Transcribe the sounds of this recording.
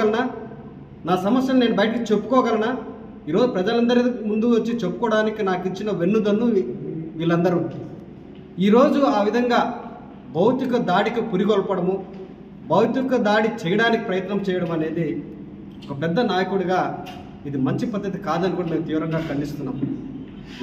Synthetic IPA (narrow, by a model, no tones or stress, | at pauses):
ɐlɐnaː | naːsɐmɐsjɐlne̞ːnubɐjʈɐkit͡ʃe̞pːu̥kɔːɡɐlɐnaː | iːɾo̞ːd͡ʒupɾɐd͡ʒɐlɐnd̪ɐɾimund̪uot͡ʃːit͡ʃe̞pːukɔːɽaːnikinaːkit͡ʃːinɐʋe̞nːud̪ɐnːuʋiːlɐnd̪ɐɾu | iːɾo̞ːd͡ʒuaːʋid̪ʱɐŋɡaː | bɐwt̪ikɐd̪aːɽikipuɾiɡɔlpɐɽɐmu | bɐwt̪ikɐd̪aːɽit͡ʃɛjɐɽaːniki̥pɾɐjɐt̪nɐmt͡ʃɛːjɐɽɐmɐne̞ːd̪i | ɔkɐpɛd̪ːɐnaːjɐkuɽuɡaː | id̪imɐɲt͡ʃipɐd̪ːɐt̪̬ikaːd̪ɐnikuɽɐme̞ːmt̪iːʋɾɐŋɡaːkɐɳɖist̪unːa̰ːm